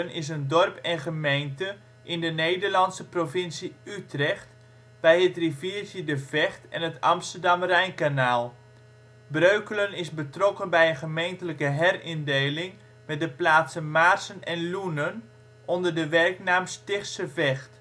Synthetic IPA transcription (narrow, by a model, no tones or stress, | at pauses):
ənɪs̬əndɔrpɛnχəmejntə | ʔɪndənejdərlɑnsəprovɪnsiytrɛχt | b̥ɛjətriviːrtədəvɛχtɛ̰nətɑ̰mstərdɑmrɛjnkanaːlˠ | brøɥkələnɪsbətrɔkənbɛjənχəmejntələkəɦɛrɪndejlɪŋ | mɛt̚dəplaːtsənmarsənɛnlunən | ʔɔndərdəʋɛrknaːmstɪχsəvɛxt